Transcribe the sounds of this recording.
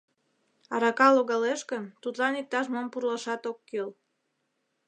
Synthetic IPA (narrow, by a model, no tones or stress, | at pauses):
ɑɾɑkɑloɣɑleʃkə̆mt̪ut̪lɑnik̚t̪ɑʃmompurlɑʃɑt̪okːøl